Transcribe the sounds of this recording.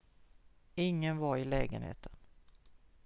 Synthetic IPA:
ɪŋːənvaɾɪlɛ̰ːɡənhḛːt̪ʰən

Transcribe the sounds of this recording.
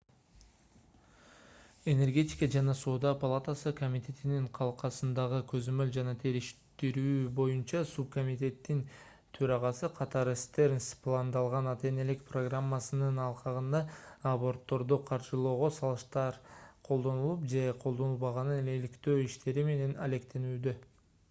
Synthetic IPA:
e̞ne̞rɡʲe̞t̪ʲi̥kɑd͡ʒɑnɑsoːd̪ɑpalˠat̪asɯkomʲit̪ʰʲe̞t̪iniɴqʰɑlˠqɑsɯnd̪ɑʁɯkʰøzømøld͡ʒɑnɑt̪ʰe̞ɾiʃt̪iɾyːbo̞junt͡ʃɑsup̚ko̞mʲit̪ʲe̞t̪ːin | t̪ʰø̞ɾɑʁɑsɯqʰɑt̪ɑɾɯst̪e̞ɾnʲsplˠand̪ɑlˠʁɑnɑt̪e̞ne̞likpro̞ɡramːasɯnɯnɑlˠqʰɑʁɯnd̪ɑabo̞rt̪ːo̞ɾd̪uqʰɑɾʒɯlˠo̞ːʁo̞sɑlˠɯʃt̪ɑɾqʰo̞lˠd̪o̞nulˠupd͡ʒe̞qʰo̞lˠd̪onulˠβɑʁɑnɯnelikt̪øːiʃt̪e̞ɾime̞ne̞nɐle̞kt̪e̞nyːd̪ø

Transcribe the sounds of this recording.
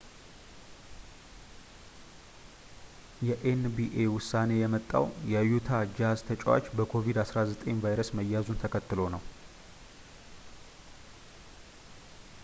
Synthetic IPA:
jɛʔenbiʔewʊsːane̞jɛmət̪ʼːa̰wjɛjut̪ʰad͡ʒazt̪ʰət͡ʃʼwa̰t͡ʃːbəkʰo̞vid̪asɾazət̪ʼeɲvajɾəsməjːazunt̪ʰəkʰət̪ːɨlo̞nəw

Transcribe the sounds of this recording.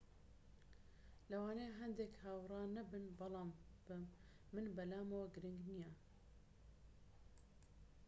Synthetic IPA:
lɐwaːneːɦɐnd̪ekhaːwrˤɑːnɐbɨnbɑlˠɑːmb̥ɨː | ɨnbɐlaːmɐwɐɡɨɾɨŋɡnijɐ

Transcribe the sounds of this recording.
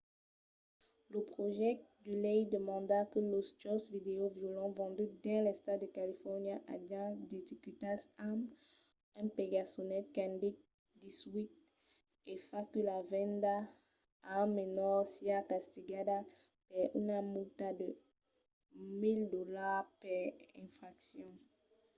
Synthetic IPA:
ləpχoʒɛd̪ylɛjd̪əmɑ̃d̪akəlost̪ɔsvid̪eovjolɑ̃vɑ̃d̪yd̪ɛ̃lɛst̪ad̪əkalifɔʁnjaʔa̰d̪jãd̪et̪ikyt̪asam | ɛ̃peɡasonɛt̪̚kɛ̃nd̪ik̚ | d̪iswit̪̚ | efakəlavɛ̃nda | amenɔʁsiakast̪iɡada | pɛynamult̪ad̪ə | mildolaʁpɛʁɛ̃fʁaksjɔ̃

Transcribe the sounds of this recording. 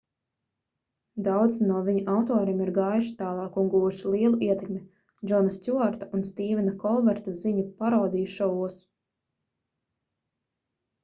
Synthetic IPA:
d̪awd̪znuɔviɲuʔawt̪ɔːɾimiɾɡajʃt̪aːlˠɑːkunɡuːʃiliɛlˠuʔiɛt̪ɛkmʲɛ | d͡ʒɔnast̪ʲuaɾt̪aunst̪iːvʲinakɔlˠvɛɾt̪aziɲupaɾawd̪iːʃavuɔs

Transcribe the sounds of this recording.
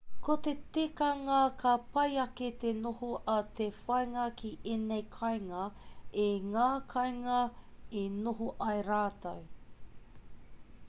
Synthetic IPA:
kot̪etekɐŋɐkʰɐpɐjɐket̪enohoʔɐt̪efɐjŋɐkʰiʔenejkʰɐjŋɐeŋaːkʰɐjŋɐenoɦoʔɐjɾaːtɐ̰w

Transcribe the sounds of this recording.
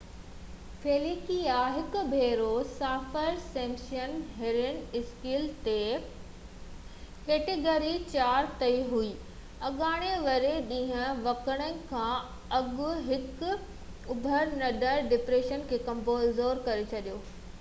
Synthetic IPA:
feːliːkiaɦɪkʊ̆bʱeːɾosaːfəɾsẽːŋkʃənɦeɾɪnɪskiːlt̪e | keːʈeɡoːɾit͡ɕaːɾt̪ɐiɦuiː | ɐɠaːɽ̃eʋɐɾeɗĩːɦə̃ʋɐkəɽ̃ənɪ̆kʰãː | ɐɠɡʊɦɪkʊ | ʊbʱəɾnɐɗəɾɖɪpɾeːʃənkʰeːkɐ̃mpoːzoːɾkɐɾet͡ɕʰɐɗijoː

